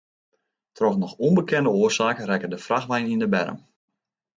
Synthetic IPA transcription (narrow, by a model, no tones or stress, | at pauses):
tʰrɔxnɔxɔnbəkʰɪndəoːərsaːkərɛkədəfraxʋɛjnindəbɛ̰ɾə̰m